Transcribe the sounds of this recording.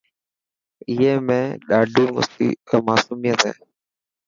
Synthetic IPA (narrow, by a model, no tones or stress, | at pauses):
ɪɦeːmẽːɗaːɖʱiːmʊ̰sḭːmaːsuːmijət̪ɦḛː